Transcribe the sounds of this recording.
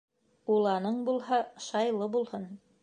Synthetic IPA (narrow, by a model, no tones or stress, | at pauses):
ulˠɑnɤɴbulˠɦɑʃɑjlˠɤbulˠhɤn